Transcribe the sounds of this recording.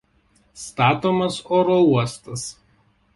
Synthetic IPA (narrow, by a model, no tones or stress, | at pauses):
st̪ɑːt̪oːmɐsoːɾouɔst̪ɐs